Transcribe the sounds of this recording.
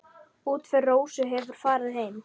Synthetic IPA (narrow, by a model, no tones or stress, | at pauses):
uːt̪fɛrːoːwsʏɦɛvʏɾ̥faːɾɪðhejm